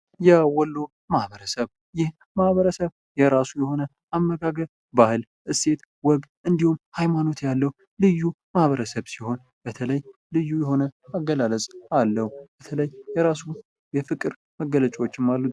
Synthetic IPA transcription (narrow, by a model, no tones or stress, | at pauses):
jɛwɔlːo | mahβəɾəsəβ | jɪh | mahβəɾəsəβ | jɛɾasujɛho̞nə | amːəɡaɡə | bahɨl | ʔɨse̞t̪ | wɔɡʔɨnd̪ihumhajmano̞t̪jalːəhu | lɨjːu | mahβəɾəsəβsiho̞n | b̥ət̪ʰələjlɨjːujɛɦo̞nəaɡəlaləsʼalːəhub̥ət̪ʰələjjɛɾasu | jɛfɨkʼɨɾ | məɡːələt͡ʃʼwot͡ʃːɪmːalːut̪